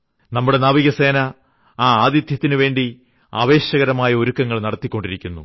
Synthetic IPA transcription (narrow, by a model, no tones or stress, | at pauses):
nɐmːuɽe̞naːʋiɣɐse̞ːnɐ | aːaːd̪jɐd̪ʱjɐt̪ːinuʋe̞ːɳɖi | aːʋe̞ːɕɐɣɐɾɐmaːjɐoɾukːɐŋːɐɭnɐɽɐt̪ːikʲːo̞ɳɖiɾikʲːunːṵ